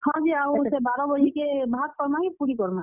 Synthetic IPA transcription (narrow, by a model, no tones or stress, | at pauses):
hãd͡ʒiasebaɾabəɦikebʱat̪̚pəɾmakepuɾikɔɾma